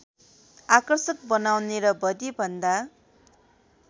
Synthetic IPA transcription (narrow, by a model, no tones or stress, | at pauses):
akʌrsʌk̚bʌnawneɾʌbʌd̪ibʱʌnd̪a